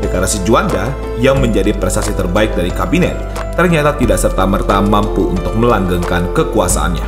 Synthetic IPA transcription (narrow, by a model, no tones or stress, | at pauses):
dəkaɾasid͡ʒuanda | jaŋməɲd͡ʒadipɾɛst̪asit̪ərbaɪk̚daɾikabinɛ̰t̪̚ː | ərɲat̪at̪idaʔsərt̪amərt̪amampuunt̪ʊk̚məlaŋɡaŋkankəkuasa̰ʔa̰nɲa̰